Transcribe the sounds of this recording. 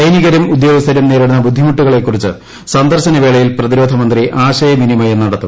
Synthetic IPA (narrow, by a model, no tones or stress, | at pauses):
t͡ɕɐjniɣɐɾɐmud̪joːʋɐsɐɾɐmneːɾɐɽunːɐbud̪ʱːimuʈːuɣɐɭe̞kːurit͡ɕːɨ | sɐnd̪ʱɐrɕɐnɐʋeːɭɐjilprɐðiɾo̞ːd̪ʱɐmɐnd̪riʔaːɕɐjɐminimɐjenːɐɽɐt̪ːum